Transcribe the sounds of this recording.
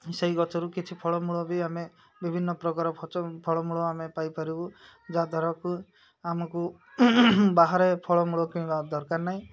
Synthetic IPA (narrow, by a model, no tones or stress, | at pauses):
seɦiɡɔt͡ʃɔɾukit͡ʃʰipʰɔɭɔmuɭɔbʱiame | bibʱinːɔpɾɔkaɾɔpʰɔt͡ʃɔpʰɔɭɔmuɭɔamepajpɔɾibu | d͡ʒad̪ʱɔɾɔku | amɔku | baɦaɾepʰɔɭɔmuɭɔkũĩbad̪ɔɾkaɾnaɦĩ